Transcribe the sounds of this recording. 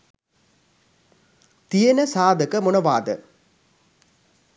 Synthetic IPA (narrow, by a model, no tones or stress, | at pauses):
t̪ijɐnɐsaːd̪ɐkɐmunɐʋaːd̪ə̰